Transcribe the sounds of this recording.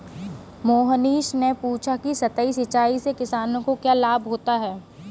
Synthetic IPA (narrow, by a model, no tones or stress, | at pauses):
moːɦəniːʃnepuːt͡ʃʰakisɐt̪əisɪt͡ʃaːisekɪsaːnõkokjaːlaːbɦoːt̪aɦɛː